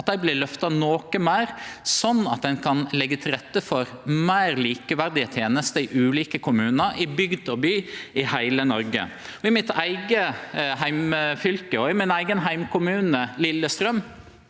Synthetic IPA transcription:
t̪æɪblɪlœft̪ɑnoːkəmæɪɾsɔnːɑt̪̚d̪ɛnkʰɑnlɛɡːət̪ʰɪlɾɛt̪ːəfɔɾmæɪɾliːkəʋæɾd̪ɪət̪ʰeːnəst̪əɪʔʉːliːkəkʰʊmʉːnəɾɪbʏɡd̪ɔbyːɪhæɪlənɔɾɡə̰ | ɔɪmɪt̪ʰæɪɡəɦæɪmfʏlkəɔɪmɪnæɪɡənɦæɪmkʊmʉːnəlɪlːəst̪ɾœm

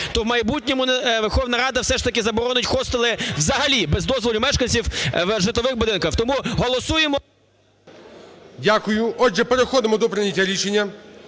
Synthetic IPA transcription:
t̪ɔwmɐjbutʲnʲɔmʊʋerxɔwnɐɾɑd̪ɐwsɛʃt̪ɐkɪzɐbɔɾɔnʊtʲxɔst̪ɐlˠɪwzɐɦɐlʲibɛzd̪ɔzʋɔlʲɪmɛʃkɐnʲsʲiwʋʒɪt̪ˠɔʋɪxbʊd̪ɪnkɐxt̪ɔmuɦɔlˠɔsujemɔ | dʲakʊjʊɔd͡ʒɛpeɾexɔd̪ɪmɔd̪ɔpɾɪnʲɐtʲaɾʲit͡ʃenʲːɐ

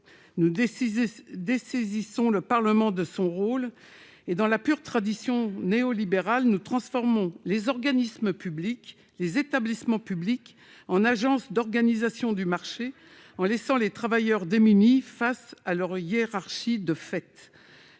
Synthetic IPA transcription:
nu | d̪esezisɔ̃ləpaʁləmɑ̃d̪əsɔ̃ʁol | ed̪ɑ̃lapyʁt̪χad̪isjɔ̃neɔlibeʁalnut̪χɑ̃sfɔʁmɔ̃lezɔʁɡanisməpyblik | lezet̪ablismɑ̃pyblik | ɑ̃naʒɑ̃sd̪ɔʁɡanizasjɔ̃d̪ymaʁʃe | ɑ̃lɛsɑ̃let̪χavajœʁd̪emynifasalœʁjeʁaʁʃid̪əfɛt̪

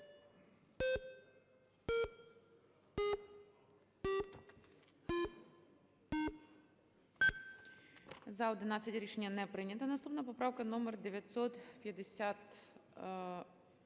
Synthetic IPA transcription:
zɐɔd̪ɪnɑt͡sʲːɐtʲɾʲiʃenʲːɐnɛpɾɪnʲɐt̪ɐnɐst̪upnɐpɔpɾɑwkɐnɔmɛrd̪eʋʲjɐt̪ʲsɔt̪pjɐd̪esʲat̪

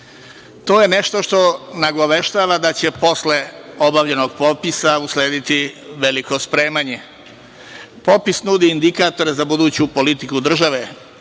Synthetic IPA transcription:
t̪o̞ːjene̞ʃt̪o̞ʃt̪o̞naɡo̞ʋe̞ʃt̪aːʋad̪at͡ɕepo̞sle̞o̞baʋʎeno̞ɡ̚po̞pisausleːd̪it̪iʋe̞liko̞spɾe̞ːmaɲe | po̞pisnud̪iːnd̪ikaːt̪o̞ɾezabud̪uːt͡ɕupo̞lit̪ikud̪r̩ʒaʋe̞

